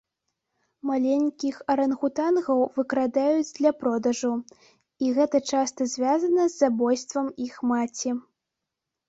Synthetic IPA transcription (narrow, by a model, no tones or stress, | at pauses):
malʲenʲkʲixɐɾɐnɣut̪anɣɐwvɨkɾad̪ajud͡zʲd̪lʲɐpɾɔd̪ɐʐɐw | iɣɛt̪ɐt͡ʂast̪ɐzʲvʲazɐnɐzːabɔjst̪vɐmixmat͡sʲi